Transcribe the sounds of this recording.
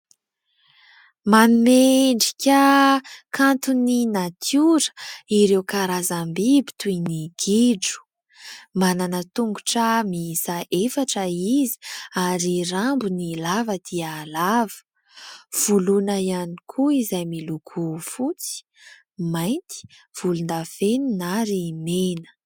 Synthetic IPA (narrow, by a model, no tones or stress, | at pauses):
manumeɳɖ͡ʐi̥kʲəkʰant̪uninat̪ʰjuɾə̥iɾewkaɾazambibi̥t̪ujniɡ̥iɖ͡ʐu̥ | mananət̪uŋɡuʈ͡ʂəmisaʔefaʈ͡ʂəizi̥aɾiɾambunilavəd̪̥iaːlavə̥ | v̥ulunaianikʰuizajmilukʰufut͡si̥ | majnt̪i̥ | v̥ulund̪afeninaɾimenə̥